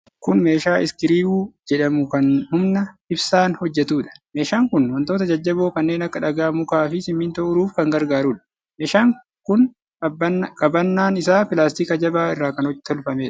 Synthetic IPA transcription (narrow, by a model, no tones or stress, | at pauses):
kʊnme̞ːʃaːɪskɪɾiːuːd͡ʒɛᶑɐmʊkɐnhʊmnɐɪbsaːnhɔd͡ʒːɛt̪uːᶑɐ̥me̞ːʃaːŋkʊnwɔnt̪oːt̪̬ɐd͡ʒɐd͡ʒːɐbo̞ːkɐnːeːnɐkːɐᶑɐɡaːmʊkaːfɪsɪmːiːnt̪oʊɾuːfkɐŋɡɐɾɡaːɾuːᶑɐ̥ | meːʃaːŋ | kʊn | kʼɐbɐnːaːnɪsaːpɪlaːst̪iːkɐd͡ʒɐbaːɪrːaːkɐnɔt̪ɔlfɐmeːᶑɐ̥